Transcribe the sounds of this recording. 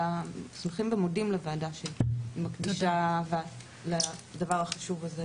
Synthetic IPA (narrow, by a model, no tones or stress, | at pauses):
asmeχimbemodimleveːdaʃeimakd̪iʃavea | ladavaʁhaχaʃuvaze